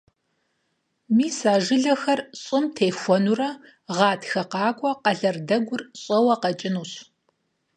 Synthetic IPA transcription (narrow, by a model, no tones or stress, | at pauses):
miːsaːʒɪɮɐxɐrɕʼɪmtʰeːjxʷɔnurɐ | ʁɑːtxɐqɑːkʷʼɔqɐɮɐrdɐɡʷʊrɕʼɐwɐqɐt͡ʃʼɪnuːɕ